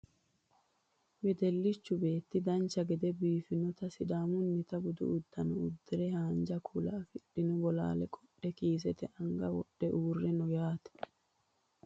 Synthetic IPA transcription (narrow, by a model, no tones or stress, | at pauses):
wɛd̪ɛlːɪt͡ʃːʊbe̞ːt̪ːɪd̪ɐnt͡ʃːɐɡɛd̪ɛbiːfɪnɔt̪ɐsɪd̪aːmʊnːɪt̪ɐbʊd̪ʊ̰ʊd̪ːɐnʊʊd̪ːɪɾɛhaːnd͡ʒɐkʰuːlaːfɪɗːɪnʊbɔla̰ːlɛkʼɔɗːɛkiːs̬ɛt̪ɛʔɐŋɡɐwɔ̰ɗːɛʔuːrːɛnʊjaːt̪ɛ̥